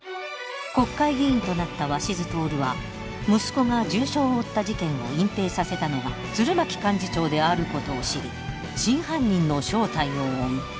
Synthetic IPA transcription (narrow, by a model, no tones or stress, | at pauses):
ko̞kːaiɡʲĩːnt̪o̞nat̪ːaβaɕizɨt̪o̞ːɾɯ̟βa | mɯ̟sɨ̥ko̞ŋad͡ʑɨːɕo̞ːt̪ːaʑit̪ẽ̞ɰ̃o̞̰ĩmpe̞ːsase̞t̪ano̞ɡa | d͡z̥ɨɾɯ̟makʲi̥kãɲ̟d͡ʑit͡ɕo̞ːd̪e̞aɾɯ̟ko̞t̪o̞ːɕiɾʲi | ɕĩɰ̃ɦãɲ̟ʲːĩnːo̞ɕo̞ːt̪aioomi